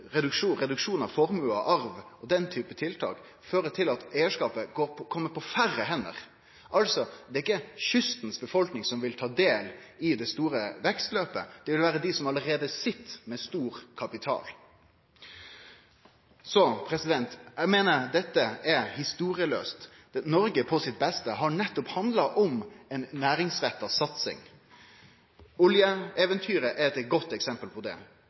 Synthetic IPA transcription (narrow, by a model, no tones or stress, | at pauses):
ɾɛd̪ʉkʂuːʁɛd̪ʉkʂuːnɑʋfɔɾmʉlɑ̰ʔɑɾʋɔd̪ɛnt̪ʰyːpət̪ʰɪlt̪ʰɑ̰ːk | føːɾət̪ʰɪlɑt̪æɪəʂkɑːpəɡoːkʰɔmːəpʰɔfærːəɦɛnːə̰ʁ | ʔɑlsɔd̪ɛɪkːəçʏst̪nsbəfɔlknɪŋsɔmʋɪlt̪ʰɑːd̪eːlɪd̪ɛst̪uːɾəʋɛkst̪løːpə̰d̪̥ɛʋɪlʋæːɾəd̪ɪsɔmɑləɾeːd̪əsɪt̪ːmɛst̪uːɾkʰɑpɪt̪ʰɑ̰ːl | sɔpʰɾɛsɪd̪ɛnt̪æmeːnəɾd̪ɛt̪ːəɛɾhɪst̪uːɾɪəlø̰ːst̪ | ɛnɔɾɡəpʰɔsɪt̪̚bɛst̪əɦɑɳɛt̪ːɔphɑnd̪lɑʔɔmɛnnæːɾɪŋsɾɛt̪ːɑsɑt̪sɪ̰ŋ | ʊljəɛːʋənt̪ʰyːɾəʔɛɾɛt̪ɛɡɔt̪ːɛksɛmpəlpʰɔd̪ɛ̰